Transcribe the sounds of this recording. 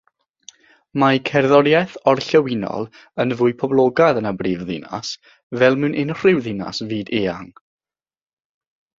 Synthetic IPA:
makʰɛrðɔɾjɛθɔrɬəwɪnɔ̰lˠ | ənvʊːɨpʰɔblˠɔɡaðənabriːvðɪ̰na̰s | vɛlˠmɨnʔɪnr̥ɪwðɪna̰sviːdeːaŋ

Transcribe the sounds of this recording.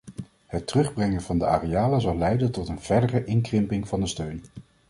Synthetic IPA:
hətərɵχbrɛŋənvɑndəʔa̰ːrejaːləzɑlˠɛjdəntɔtənv̥ɛɹdərəʔɪŋkrɪmpɪŋv̥ɑndəstøɥn

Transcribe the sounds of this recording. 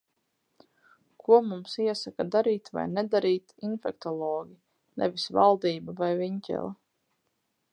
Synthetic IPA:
kʰuɔmumsiɛsakad̪aɾiːt̪va̰jnɛd̪aɾiːt̪infɛkt̪ɔlˠɔːɡʲi | nɛ̰visva̰lˠd̪iːbavajviɲcʲɛ̰lˠa

